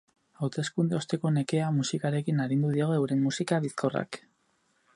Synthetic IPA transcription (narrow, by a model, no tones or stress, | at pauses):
awt̪e̞skund̪e̞o̞st̪e̞ko̞ne̞ke̞amusikaɾe̞kinaɾind̪uðioɣoewɾe̞mmusikaβiskora̰k